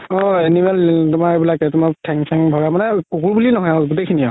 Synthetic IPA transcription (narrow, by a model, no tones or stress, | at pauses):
ɔ̃ɛnimɛltʊmaɹebilakɛtʊmaɹtʰɛŋsɛŋbʱaɡɛmanɛkukuɹbulinɔɦɔjaɡutekʰinia